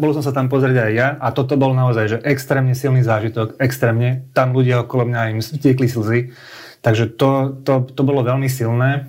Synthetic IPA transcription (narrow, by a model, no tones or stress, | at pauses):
bɔls̬ɔmsat̪amp̬ɔzɾɪɛɟajːaat̪ɔt̪ɔbɔlnaɔzajʒɛʔɛkst̪ɾɛːmɲɛsilniːzaːʒit̪ɔkɛkst̪ɾɛːmɲɛt̪amluɟɪaɔkɔlɔmɲaimscɪɛklisl̩zi | t̪aɡʒɛt̪ɔt̪ɔt̪ɔbɔlɔʋɛlmisilnɛː